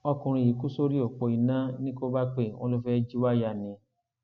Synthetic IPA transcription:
ɔ˧kũ˧ɾ̃ĩ˧ji˨˦ku˦so˦ɾi˦o˨k͡pɔ˧i˨nã˦nĩ˦ko˦ba˦k͡pe˦˨wɔ̃˦lo˦fɛ˦d͡ʒi˦wa˦ja˧˨nĩ˨˦

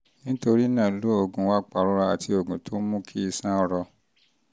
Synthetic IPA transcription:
nĩ˨˦to˧ɾi˦nã˦˨˦lo˦o˦˨ɡũ˨˦wa˦˨k͡pa˨ɾu˦ɾa˧a˨ti˧o˨ɡũ˨tʰo˨˦mũ˦kʰi˦i˧sã˦ɔ˧ɾɔ˧

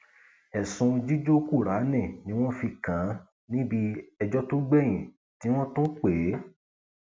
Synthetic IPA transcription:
ɛ˨sũ˧d͡ʒi˦d͡ʒo˦ku˦˨ɾa˨˦nɛ̃˦˨nĩ˨˦w̃ɔ̃˦fi˧kã˨˦ | nĩ˦bi˧ɛ˧d͡ʒɔ˦to˦ɡ͡bɛ˦˨j̃ĩ˨ | ti˨˦w̃ɔ̃˦tõ˦k͡pe˨˦

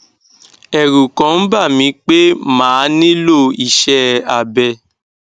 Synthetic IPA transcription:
ɛ˨ɾu˨kã˨˦n̩˦ba˦˨mĩ˧˦k͡pe˦mãː˨˦nĩ˦lo˦˨i˦˨ʃɛ˦a˨bɛ˧

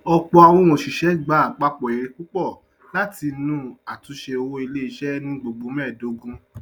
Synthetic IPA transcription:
ɔ˧k͡pɔ˧a˧w̃ɔ̃˦w̃õ˨ʃi˨ʃɛ˨˦ɡ͡ba˦˨k͡pa˧k͡pɔ˨e˨ɾe˨ku˦k͡pɔ˦˨ | la˨˦ti˧nũ˧˦a˨tu˧˦ʃe˧o˧wo˧i˧le˦i˧ʃɛ˦nũ˦ɡ͡bo˨ɡ͡bo˨˦mɛ˦˨do˨˦ɡũ˦

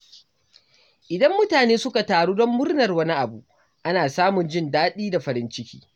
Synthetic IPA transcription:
ʔɪ˨dɐ˦mːʊ˦taː˨neː˦sʊ˦ka˨taː˨ɽuː˦dɔ˦mːʊ˦rnɐ˨rwɐ˦ni˦ʔa˨bu˨ʔ | ʔa˦naː˨saː˦mʊ˨nd͡ʒɪ˦ndaː˦ɗiː˦da˨ɸɐ˨ɾɪ˦nt͡ʃɪ˦kʲi̥̰ː˦

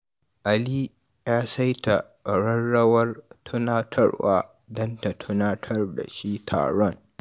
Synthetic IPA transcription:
ʔa˨li˦ | jaː˦sa˦jta˨ | ɽɐ˦nːɐ˦wɐ˦rtʰʊ˦naː˦tʰɐ˦rwa̰ː˦ | dɐ˦nta˨tʰʊ˦na˦tʰɐ˦rda̰˨ʃi˦tʰa̰ː˨ɽɔ˦ŋ

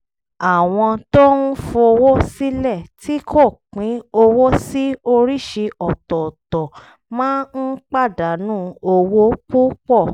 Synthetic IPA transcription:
a˨w̃ɔ̃˧to˦nũ˦fo˧o˧wo˦si˦lɛ˦˨tʰi˦kʰo˦˨k͡pĩ˨˦o˧wo˦si˦o˧ɾi˦ʃe˧ʔɔ˨tɔ˨tɔ˨ | mãː˦n̩˦k͡pa˦˨da˨˦nũː˦o˧wo˦k͡pu˦k͡pɔ˦˨

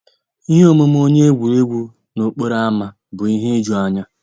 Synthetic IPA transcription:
i˦ɦe˦o˦mʊ˦m˦o˦ɲe˦e˦ɡʷu˨ɾe˦ɡʷu˦ | no˨k͡po˦ɾa˦a˦ma˦ | bʊ˨i˦ɦe˦d͡ʒu˨a˦ɲa˦

